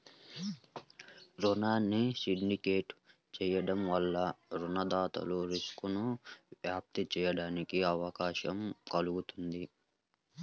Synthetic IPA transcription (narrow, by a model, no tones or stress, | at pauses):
ɾɔnaːnːisiɳɖikeːʈ | t͡ʃɛːjɐɽɐmʋɐlːɐɾunɐd̪aːt̪ɐ̰luɾiskunuʋjaːp̚t̪it͡ʃɛːjɐɽaːnikiɐʋɐkaːʃɐmkɐluɡut̪und̪i